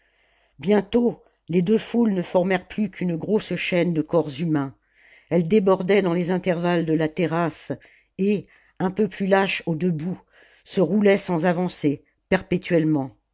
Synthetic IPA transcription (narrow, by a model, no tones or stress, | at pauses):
bjɛ̃t̪o | led̪øfulnəfɔʁmɛʁplykʰynɡʁosʃɛnd̪əkɔʁzymɛ̃ | ɛld̪ebɔʁd̪ɛd̪ɑ̃lezɛ̃t̪ɛʁvald̪əlat̪eʁas | e | ɛ̃pøplylaʃod̪əbu | səʁulɛsɑ̃zavɑ̃se | pɛʁpet̪ɥɛlmɑ̃